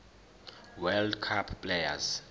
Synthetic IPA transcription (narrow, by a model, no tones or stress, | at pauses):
wɛldkʰapʰːleja̰z